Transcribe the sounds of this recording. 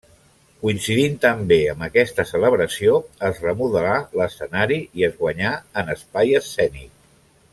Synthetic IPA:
kuinsiðint̪əmbeəmbəkɛst̪əsələβɾəsioəzrəmuðəlaləsənaɾiiəzɣwəɲaənəspajəsːɛnḭk̚

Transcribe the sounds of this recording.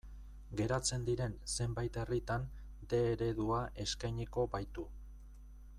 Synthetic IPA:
ɡe̞ɾat͡se̞nd̪iɾe̞nse̞mbajt̪e̞rit̪an | d̪e̞ːɾe̞ðuaʔe̞skajɲe̞ko̞bajt̪u

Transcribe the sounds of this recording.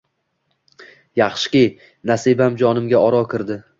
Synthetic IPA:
jɑχʃɪ̥kʲɪj | nasibamd͡ʒɒnɪmɡʲaɒɾɒkʲʰɪɾd̪ɪ

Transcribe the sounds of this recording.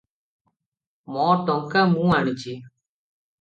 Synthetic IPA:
mɔːʈoŋkamũːaːɳit͡ʃi

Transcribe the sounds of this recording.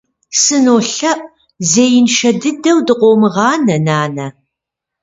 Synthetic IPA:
sɨnoːɬɐʔ | zeːjɪnʃɐdɨdɐwdɨqʷoːmɨʁɑːnɐnaːnɐ

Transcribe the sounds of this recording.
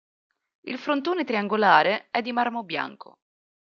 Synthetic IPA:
ḭlfɾont̪oːnet̪ɾiaŋɡolaːɾeɛd̪ːimarmobja̰ŋkʰo̰

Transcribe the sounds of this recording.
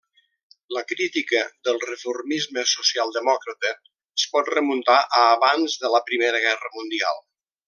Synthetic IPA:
ləkɾit̪ikəðəlˠrəfurmizməsusialˠd̪əmɔkɾət̪əː | spɔt̪rəmunt̪aʔəːβanzðələpɾimeɾəɣɛrəmund̪ia̰lˠ

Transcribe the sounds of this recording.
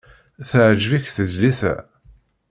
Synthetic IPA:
θəʕʒvæçθəzliθæ̰

